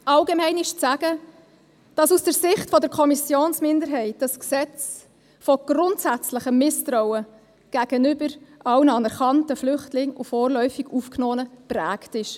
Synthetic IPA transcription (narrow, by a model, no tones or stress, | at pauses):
ʔɑlɡemɛɪnɪʃt͡sæɡ̥ə | d̥ɑsusd̥əɾsɪχtfɔdəɾkʰɔmisjoːnsmɪndəɾɦɛɪt̚ɑsksɛt͡s | fɔɡ̥ɾʊntsæt͡slɪχəmɪstrɔwə | ɡ̥æːɡ̥ənʏbəɾʔɑwnəɑnɛɾχɑntəflʏχtlɪŋʊ̰fɔːɾlœʏfiɡ̥ufknɔːənəpræːktɪʃ